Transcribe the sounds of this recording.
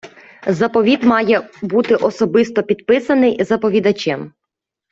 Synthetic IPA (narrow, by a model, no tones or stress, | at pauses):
zɐpɔʋʲid̪mɑjɛbut̪ɪʔɔsɔbɪst̪ɔpʲid̪pɪsɐnɪjzɐpɔʋʲid̪ɐt͡ʃɛm